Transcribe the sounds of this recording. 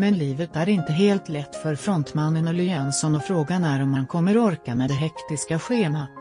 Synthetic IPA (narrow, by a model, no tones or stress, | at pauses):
mɛnliːvət̪æɾɪnt̪əɦeːlt̪lɛt̪ːfœɾfɾɔnt̪manːənɔlʏɛnsɔnɔfɾoːɡanæɾɔmhankʰɔmːəɾɔɔɾkamɛd̪ɛɦɛkt̪ɪskaɧeːma